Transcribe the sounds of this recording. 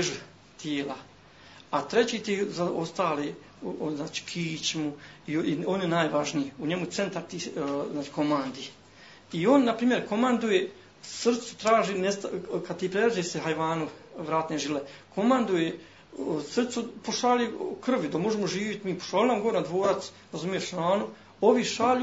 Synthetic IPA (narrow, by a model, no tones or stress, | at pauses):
eʒu | t̪jeːla | at̪ɾet͡ɕiːt̪ezaost̪aːleː | znaːt͡ʃi̥kʰiːt͡ɕmuiionjenaːjʋaʒniuɲemut̪se̞nt̪aɾt̪iznaːt͡ʃi̥ko̞mand̪i | io̞nːapɾiːmjeɾko̞mand̪uje | sr̩t̪su̥t̪ɾaːʒinest̪kad̪t̪ipɾeɾad͡ʒeːseɦajʋaːnuʋɾaːt̪neʒilekʰo̞mand̪uje | sr̩t̪supoʃaːlikr̩ʋd̪amo̞ʒemoʒiːʋit̪miːpo̥ʃaːlʲnaːmɡo̞ʋoɾnad̪ʋoːɾat̪s | ɾazumijeʃɾaːnu | oʋiʃaːʎu